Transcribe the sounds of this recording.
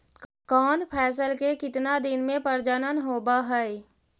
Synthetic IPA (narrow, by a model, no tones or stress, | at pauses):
kɔːnpʰɛːs̬əlkekɪt̪nad̪ɪnmẽpəɾd͡ʒənənɦoːbaɦɛɪ